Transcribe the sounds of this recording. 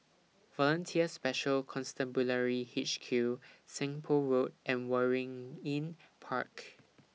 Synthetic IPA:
vɔlə̃ntʰiəspɛʃəlkʰɔ̃nstɛ̃mbuləɹihit͡ʃkʰjusɛ̃ŋpʰoɹot̚ʔɛ̃nwɛɹɪ̃ŋĩnpʰa̰k

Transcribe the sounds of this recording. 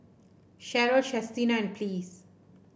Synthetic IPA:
ʃɛɾoːʃɛstiːnaɛ̃ɳɖ̚pliːs

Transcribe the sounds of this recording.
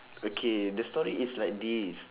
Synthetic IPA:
okʰedəstɔɹiʔislajk̚dis

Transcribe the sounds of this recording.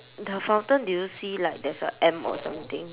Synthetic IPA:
dəfãw̃ntə̃ndujusilaɪjk̚dɛsə̰ʔɛ̃mɔ̰sãmt̪ɪ̃ŋ

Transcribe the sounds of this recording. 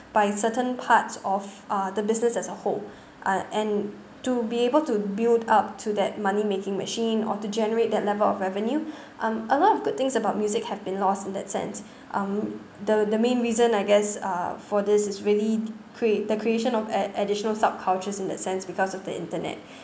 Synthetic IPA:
b̥aɪsətə̃npʰatsɔfʔʌdəbɪsnəsɛsəhol | ʔaʔɛ̃n | tubiebəltubildap̚tʰudɛt̚manimekɪ̃ŋmə̰ʃĩnɔ̰tud͡ʒɛnəɹet̚dɛt̚lɛvəlɔfɹɛvə̃nju | ʔʌ̃məlɔtɔvɡʊd̚t̪ɪ̃ŋsəbaʊt̚mjuzɪkhɛvbĩnlɔstɪ̃ndɛ̰tsɛ̰̃ns | ʔʌ̃m | dədəmẽnɹizə̃naɪɡɛsʌ̰fɔdɪsɪsɹili | kʰɹiedəkʰɹieʃə̃nɔvʔədɪʃənəlsab̚kʰaʊt͡ʃəsɪ̃ndɛ̰tsɛ̃nsbikɔsɔvdə̰ɪ̰̃ntənɛ̰t̚

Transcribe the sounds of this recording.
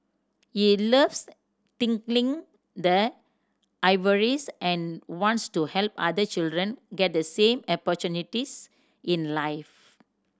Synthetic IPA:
hiləvs | t̪ĩŋklĩŋ | d̪ə | ʔaɪvəɹisʔɛ̃nwɔ̃ntstuhɛlpa̰d̪ət͡ʃildɹə̃nɡɛt̚d̪əsẽmɔpɔt͡ʃunitis | ʔĩnlaɪf

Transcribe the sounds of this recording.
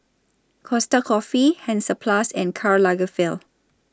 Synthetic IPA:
kʰɔstakʰɔfihɛ̃nsəpʰlasɛ̃nkʰaɹlaɡəfil

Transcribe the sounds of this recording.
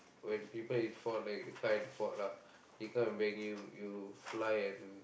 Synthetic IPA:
wɛ̃npipəlitfɔt̚lajk̚jukajɛnfɔtla | jikãmɛ̃nwɛ̃ŋjujuflajɛ̃n

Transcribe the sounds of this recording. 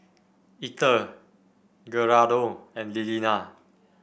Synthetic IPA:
itə | ɡəɹadoɛ̃nlilina

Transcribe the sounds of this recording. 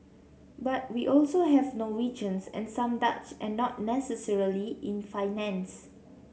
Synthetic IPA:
bat̚wiʔɔlsoɦɛvnɔwid͡ʒə̃nsɛ̰̃nsãmdat͡ʃɛ̃nːɔt̚nɛsəsɛɹiliɪ̃nfaɪnɛ̃ns

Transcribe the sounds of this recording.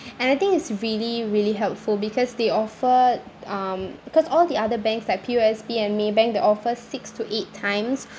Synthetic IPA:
ɛ̃naɪt̪ɪ̃ŋɪtsɹiliɹiliɦɛlpfulbikʰɔsdeɔfəʌ̃mb̥ikɔsɔld̪iadəbɛ̃ŋkslajk̚pʰioɛsbiɛ̃nmebɛ̃ŋk̚deɔfəsɪkstuʔetʰːãɪ̃ms

